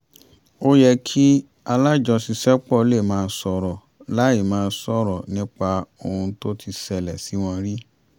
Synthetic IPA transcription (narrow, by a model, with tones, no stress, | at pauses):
o˦jɛ˧kʰi˦ | a˧la˦d͡ʒɔ˧si˧sɛ˦k͡pɔ˦˨˦le˦˨mãː˦˧˦sɔ˧ɾɔ˨ | la˨˦i˦˨mãː˨˧˦sɔ˦ɾɔ˨nĩ˦k͡pa˧o˧˨hũ˧to˦tʰi˧sɛ˧lɛ˨si˨˦w̃ɔ̃˧ɾi˦